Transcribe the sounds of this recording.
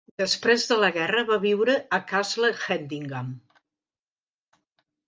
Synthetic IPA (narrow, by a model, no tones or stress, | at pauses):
d̪əspɾezðələɣɛrəβaβiwɾəːkazləxɛnd̪iŋɡam